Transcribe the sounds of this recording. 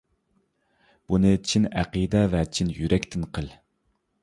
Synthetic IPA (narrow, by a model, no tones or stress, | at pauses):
b̥unɨt͡ʃʰinæqid̪ɛvɛt͡ʃʰinjyɾʔɛkʲt̪ʰɪnqʰəlˠ